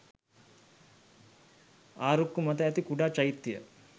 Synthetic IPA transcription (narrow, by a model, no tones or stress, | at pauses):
aːɾukːumɐt̪əæt̪ikuɖaːt͡ʃɐjit̪ːijə̰